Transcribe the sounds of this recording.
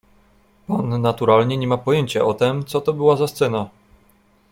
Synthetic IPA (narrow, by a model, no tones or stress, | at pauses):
panːat̪uɾalɲɛɲɛmapɔjeɲt͡ɕaʔɔt̪ɛmt̪sɔt̪ɔbɘwazast̪sɛna